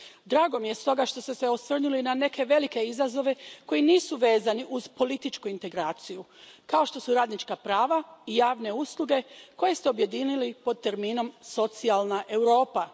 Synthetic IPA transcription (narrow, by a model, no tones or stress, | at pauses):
d̪ɾaːɡo̞mije̞st̪o̞ɡaʃt̪o̞st̪ese̞o̞sʋr̩nulinane̞kʰe̞ʋe̞like̞izazo̞ʋe̞ko̞jiniːsuʋe̞ːzaniʔuzpo̞lit̪it͡ʃkuint̪eɡɾaːt̪sijukao̞ʃt̪o̞suɾaːd̪nit͡ʃkapɾaːʋaijaːʋne̞uslˠuɡe̞ko̞je̞st̪e̞o̞bje̞d̪iːnilipo̞d̪̚t̪e̞ɾmiːno̞mso̞t̪sialˠnaʔe̞wɾo̞ːpa